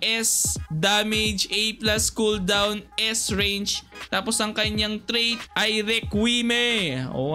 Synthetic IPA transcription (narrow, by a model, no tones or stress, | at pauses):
ʔɛsd̪aːmɛd͡ʒʔejplaskuld̪awnʔɛsɹɛjnd͡ʒt̪aːposʔɐŋkɐɲaŋt̪ɾejt̪ʔɐjɾɛkwimɛʔo̰